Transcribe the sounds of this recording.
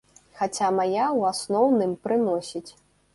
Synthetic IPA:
xat͡sʲamajawasnɔwnɨmpɾɨnɔsʲit͡sʲ

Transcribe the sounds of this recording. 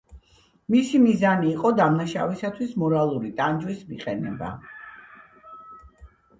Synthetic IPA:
misimizaniːqʼɔd̪amnaʃa̰visat̪ʰwismɔɾalˠuɾit̪ʼand͡ʒwismiqʼɛnɛba̰

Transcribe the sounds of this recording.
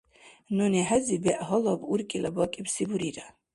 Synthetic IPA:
nɔnɛħazibɛʔɦɔlɔbuɾkʼilabɔkʼibsibuɾiɾa

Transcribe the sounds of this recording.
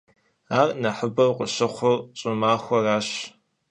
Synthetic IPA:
aːrnɐħəbɐwqʷʼʊɕɪχʷʊrɕʼɪmaːxʷɔraːɕ

